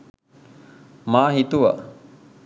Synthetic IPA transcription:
maːɦit̪uʋɐ̰

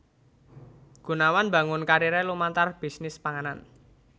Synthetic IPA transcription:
ɡ̥ṳnawanba̤ŋʊnkaɾiɾɛlumant̪arb̥i̤snɪspaŋanan

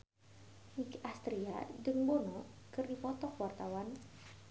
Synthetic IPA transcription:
nikʔast̪ɾia̰d͡ʒɨŋbonɔkɨrdipɔt̪ɔkwart̪awan

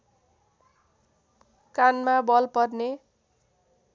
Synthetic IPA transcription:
kanmabʌlpʌrne

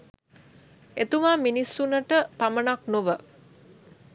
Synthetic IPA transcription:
et̪uʋaːminisːunəʈəpamənaknuʋə

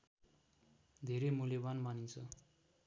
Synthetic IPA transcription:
d̪ʱeɾemuljebanmanint͡sʰʌ

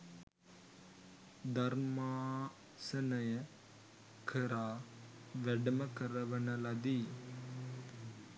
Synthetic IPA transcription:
d̪ɐɾmaː | sənɐjə | kʰəɾaː | ʋɛɖməkəɾəʋənɐlɐd̪i

